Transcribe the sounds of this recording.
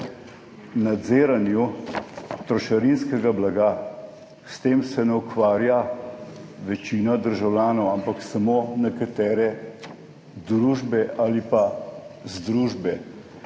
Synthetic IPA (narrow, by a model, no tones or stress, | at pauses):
nad̪zeːɾanju | t̪ɾɔʃaɾinskɛɡablaɡa | st̪eːmsɛnɛukʋaːɾja | ʋɛt͡ʃiːnad̪əɾʒawljaːnɔwampaksamoːnɛkat̪ɛːɾɛ | d̪ɾuːʒbɛʔalipazd̪ɾuːʒbɛ